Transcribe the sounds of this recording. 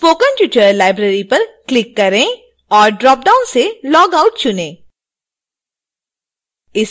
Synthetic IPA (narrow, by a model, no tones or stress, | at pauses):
foːkə̃npjuːʈəɾlaːɪbɾeːɾipɐɾklɪkːɐɾẽ | ɔːɾɖɾɔːp̚ɖaːʊnselɔːɡaʊʈ̚t͡ʃʊnẽː | ɪs